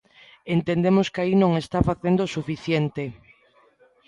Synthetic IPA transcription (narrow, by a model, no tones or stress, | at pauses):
ent̪end̪emoskainõŋest̪afaθend̪osufiθjent̪e